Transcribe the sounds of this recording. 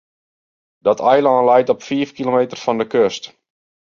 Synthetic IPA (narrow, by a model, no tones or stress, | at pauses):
d̥ɔtʰɛjlaːnlɛjtɔpfiəfkilomeːtərfɔndəkøst